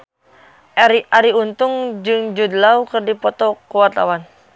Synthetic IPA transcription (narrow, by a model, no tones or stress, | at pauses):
aɾiʔaɾiunt̪ʊŋd͡ʒɨŋd͡ʒud̪laukɨrdipɔt̪ɔkuwat̪a̰wan